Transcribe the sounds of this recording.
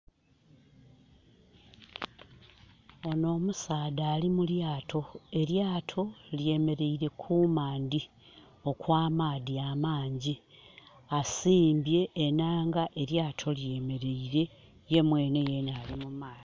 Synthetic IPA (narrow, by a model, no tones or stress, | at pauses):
o̞no̞ːmusaːdaːlimuljaːtʰo̞e̞ɾjaːtʰo̞lje̞me̞ɾe̞iɾe̞kʰumaːnd̪i | o̞kwaːmaːdiamaːɲɟi | asiːmbje̞ːnaːŋɡaʔe̞ɾjaːtʰo̞lje̞me̞ɾe̞iɾe̞ | je̞mwe̞ːne̞jenaːlimumaːi